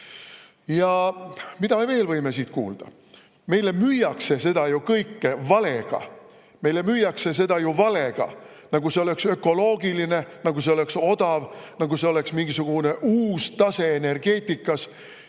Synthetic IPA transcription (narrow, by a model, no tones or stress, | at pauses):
jɑmid̪ɑme̞ve̞ːlvɤjme̞siːt̪kṵːld̪̥ɑ̰ | me̞jle̞myjːɑkse̞se̞d̪ɑjukɤjkːevɑle̞ɡ̥ɑ̰ | me̞jle̞myjːɑkse̞s̬e̞d̪̥ɑjuvɑle̞ɡ̥ɑ̰ | nɑɡuse̞o̞le̞ksø̞kːo̞lo̞ːɡiline̞nɑɡus̬eole̞kso̞d̪̥ɑvnɑɡuse̞o̞le̞ksmiŋɡ̥isuɡ̥une̞ʔuːst̪ɑse̞ːne̞rɡ̥e̞ːt̪ʲːˑikːˑɑs